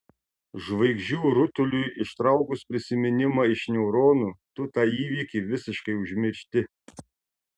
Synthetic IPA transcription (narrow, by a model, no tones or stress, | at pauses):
ʒʋɐɪɡʒʲuːɾʊt̪ʊlʲʊjɪʃt̪ɾɑˑʊkʊspʲɾʲɪsʲɪmʲɪnʲɪmɑɪʃnʲɛʊɾoːnuːt̪ʊt̪ɑiːʋʲiːkʲiːʋʲɪsʲɪʃkɐɪʊʒʲmʲɪɾʲʃʲt̪ʲɪ